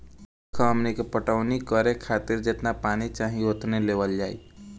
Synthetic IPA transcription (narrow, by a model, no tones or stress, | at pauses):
kʰəmnikepəʈəʋnikəɾekʰaːt̪ɪɾd͡ʒet̪napaːñit͡ʃaːɦĩot̪neleːʋəld͡ʒaːḭ